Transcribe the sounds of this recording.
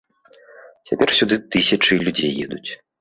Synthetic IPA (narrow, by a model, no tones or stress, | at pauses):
t͡sʲapʲɛrsʲud̪ɨt̪ɨsʲɐt͡ʂɨlʲud͡zʲejːɛ̰d̪ut͡sʲ